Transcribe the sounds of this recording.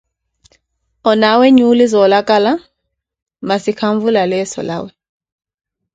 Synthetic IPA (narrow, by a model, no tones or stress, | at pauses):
ɔnawɛɲulizɔːlakʼala | masikʰaɱvulalɛsɔ̰la̰ːwɛ